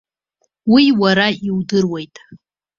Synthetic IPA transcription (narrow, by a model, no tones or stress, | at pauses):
wiwaɾaiwdɨrwejtʼ